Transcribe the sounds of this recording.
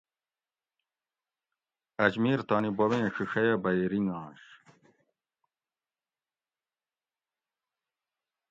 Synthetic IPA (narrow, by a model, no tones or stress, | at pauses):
ɐd͡ʑmiːɾt̪aːnibowẽːɕiɕɐjɐbɐjɾiŋãːɕ